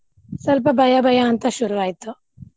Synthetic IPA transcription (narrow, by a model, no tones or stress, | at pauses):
sɐlp̬ɐbʱɐjɐbʱɐjaːnt̪ɐʃuɾuʋaːjit̪u